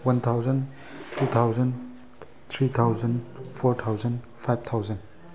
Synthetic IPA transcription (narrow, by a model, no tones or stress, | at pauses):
wɐnt̪ʰawzɐn | tut̪ʰawzɐn | t̪ʰɾit̪ʰawzɐnpʰɔɾt̪ʰawzɐn | pʰajb̚t̪ʰawzɐn